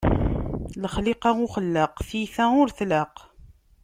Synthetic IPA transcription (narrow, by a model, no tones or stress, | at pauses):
ləχlɪqɑʊχəlːəqθiθæʊɾθlaq